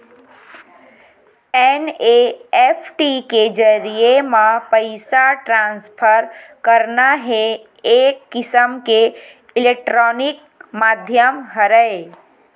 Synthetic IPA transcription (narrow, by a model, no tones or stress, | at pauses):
eneepʰʈiked͡ʒəɾijemãpəɪsaʈɾãnspʰəɾkəɾnaɦe | ekːisəmke | ilek̚ʈɾɔnik̚ | mad̪ʱjəmɦəɾəj